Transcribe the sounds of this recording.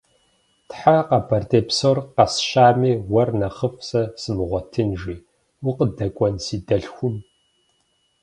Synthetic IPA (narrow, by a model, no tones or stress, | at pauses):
tħaqɐbɐrtʼeːpsorqɐsʃaːmiːwɐrnɐχəfsɐsɨmʁʷɔtʰɨnʒiː | ʊqədɐkʷʼɔnsiːdɐɬxʷʊm